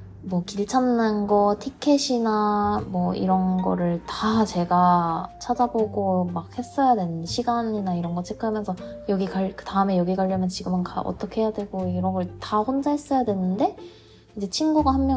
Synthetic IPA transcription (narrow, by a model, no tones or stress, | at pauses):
mwʌkiɭt͡ɕʰamnanɡʌtʰikʰːe̞ɕʰinamwʌḭɾʌnɡʌ̰ɾɯɭtat͡ɕe̞ɡat͡ɕʰad͡ʑaboɡomak̚he̞s͈ʌjadwe̞nɯnɕʰiɡaɲinaiɾʌnɡʌt͡ɕʰek͈ʰɯamjʌnsʰʌjʌɡikaɭkɯtaɯme̞jʌɡiɡaʎːʌmjʌnt͡ɕiɡɯmɯnkaʔʌ̰t͈ʌkʰeɦejadwe̞ɡoiɾʌŋɡʌɭtaɸond͡ʑaɦes͈ʌjadwe̞nɯnde̞ | id͡ʑe̞t͡ɕʰinɡuɡahamːjʌ